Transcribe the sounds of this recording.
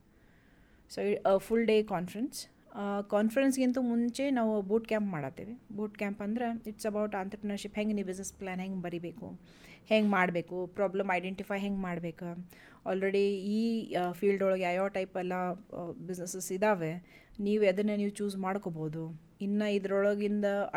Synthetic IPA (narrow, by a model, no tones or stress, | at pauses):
soːifulɖeːkaːnfɐɾens | kaːnfɐɾensɡint̪umuɲt͡ʃe̞naːʋubuːʈkʲjaːmpmaːɽa̰t̪ːḭːʋibuːʈkʲaːmpɐnd̪ɐɾeiʈsɐbɐwʈaːnt̪ɾɐpɾɐnɐɾʃipɦeŋɡinːibid͡ʒnesplaːnɦeŋɡbɐɾibeːkṵ | heŋɡmaːɽbe̞ːkupɾaːblɐmɐjɖeɳʈifaːjɦeŋɡmaːɽbe̞ːku | aːlɾeɽiiːfʰiːlɖɔɭɐɡeajaːʈɐjpɛlːɐbid͡ʒnesesid̪aːʋe | niːʋuɐd̪ɐnːɐniːʋut͡ʃuːd͡ʒmaːɽkoːboːd̪u | inːɐid̪ɐɾɔɭɐɡind̪ɐ